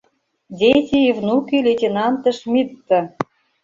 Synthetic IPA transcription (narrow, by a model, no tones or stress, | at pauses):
dʲetʲiivnukilʲetʲenɑnt̪ə̆ʃmʲit̪ːə̆